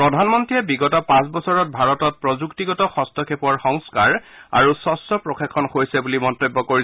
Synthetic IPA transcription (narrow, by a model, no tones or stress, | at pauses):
pɹɔdʱanmɔntɹijɛbiɡɔtɔpãsbɔsɔɹɔt̚bʱaɹɔtɔt̚pɹɔzuktiɡɔtɔxɔstʰɔkʰepɔɹxɔŋskaɹa̰ɹusɔstɔpɹokʰekʰːɔnxojsɛbulimɔntobːɔkoɹi